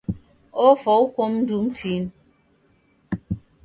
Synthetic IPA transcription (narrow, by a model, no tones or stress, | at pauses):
ofɔukomn̩dum̩tʰin